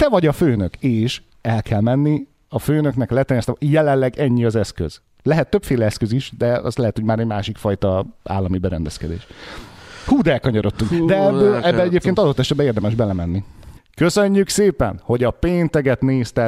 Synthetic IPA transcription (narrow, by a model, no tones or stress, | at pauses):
t̪ɛvɒɟɒføːnøkeːʃ | ɛlkʰɛlmɛnːi | ɒføːnøknɛklɛt̪ɛɾɲɛst̪ɛjɛlɛlɛɡɛɲːiɒzɛskø̰z̥ | lɛɦɛt̪ːøpfeːlɛɛskøziʃd̪ɛɒ̰slɛɦɛt̪ho̞ɟmaːɾɛɟmaːʃikfɒjt̪ɒa̰ːlːɒmibɛɾɛnd̪ɛskɛd̪ḛːʃ | huːd̪ɛlkɒɲoɾo̞t̪ːuŋkd̪ɛɛbːɛɛɟeːp̚keːnt̪ɒd̪ot̪ːɛʃɛd̪̚bɛeːrd̪ɛmɛʒbɛlɛmɛnːikø̞søɲːykseːpɛ̰nho̞ɟɒpeːnt̪ɛɡɛt̪neːst̪ɛ